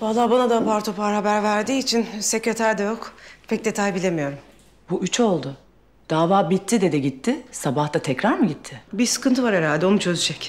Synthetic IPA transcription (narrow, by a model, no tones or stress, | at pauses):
balˠːaːbanad̪ampaɾt̪ʰo̞pʰaɾɦabæɾvæɾd̪iːt͡ʃʰinse̞cɾet̪ʰæɾd̪ɛjo̞kpʰɛc̚d̪et̪ʰajbilʲe̞mijo̞ɾum | buʔyt͡ʃʰo̞lˠd̪ʊ | d̪̥aːvaːbit̪ʰːid̪ɛd̪ɛɟit̪ʰːɪsabaht̪at̪ʰɛcɾaɾmɯɟit̪ʰːɪbiɾsɯ̥kɯnt̪ʰɯvaɾeɾalʲd̪ɛo̞nut͡ʃʰø̞zyd͡ʒɛc